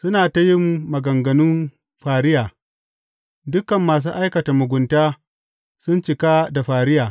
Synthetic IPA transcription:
sʊ˦naː˨ta˦jɪ˦mːɐ˨ɡɐ˨ŋɡɐ˨nʊ˦m | ɸaː˨ɾɪ˦jaː˨ | dʊ˦kɐ˨mːaː˨s̬uː˦ʔa˦jkɐ˨ta˨mʊ˨ɡʷʊ˨ntaː˦ | sʊ˦nt͡ʃɪ˨kaː˦da˨ɸaː˨ɾɪ˦jaː˨

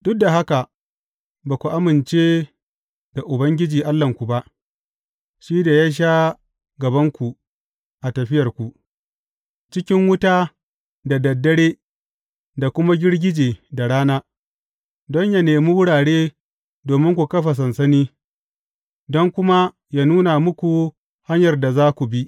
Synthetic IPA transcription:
d̥ʊ˦k̚da˨ɦa˦ka˨ | baː˨kʷu˨ʔa˦mɪ˨nt͡ʃeː˦ | d̥a˨ʔʊ˨bɐ˦ŋɡʲɪ˦d͡ʒiː˨ʔa˦lːɐ˨ŋkʷu˨ba˦ʔ | ʃiː˦da˨jaː˦ʃ̬a˦ | ɡɐ˨bɐ˦ŋkʷu˨ | ʔa˨tɐ˨ɸɪ˦jɐ˨rkʷu˨ʔ | t͡ʃɪ˦kʲɪ˦ŋwʊ˦taː˦ | da˨dɐ˨dːɐ˦ɽeː˦ | da˨kʷʊ˦ma˦ɡʲɪ˦ɽɡʲɪ˦d͡ʒeː˨da˨ɽaː˦naː˦ | dɔ˦ɲja˦neː˨mu˦wʊ˦ɽaː˨ɽeː˦ | doː˨mɪ˦ŋkʷu˨kɐ˦ɸa˨s̬ɐ˨nsɐ˦niː˦ | dɔ˦ŋkʷʊ˦ma˦ | jaː˦nuː˦na˨mʊ˦kʷu˨ | ha˦ɲjɐ˨rda˨zaː˦kʷu˨bi˦ʔ

